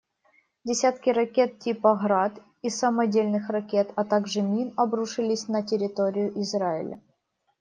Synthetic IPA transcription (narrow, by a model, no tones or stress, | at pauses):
dʲɪsʲat̪kʲɪɾɐkʲe̞t̪̚tʲipɐɣɾat̪ | isɐmɐdʲelʲnɨxrɐkʲe̞t̪ɐt̪aɡʐɨmʲinɐbɾuʂɨlʲɪsʲnətʲɪɾʲɪt̪o̞ɾʲɪjʊʔɪzraɪ̰lʲə̰